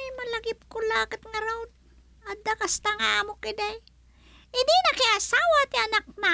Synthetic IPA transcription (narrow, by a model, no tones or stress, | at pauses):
jmɐlɐɡɪp̚kʊlaːkɪt̪̚ŋɐɾawd̪ | ad̪akɐst̪aŋamʊkɪd̪aj | ɪd̪ɪnɐkɪʔasaːwat̪ɪanak̚ma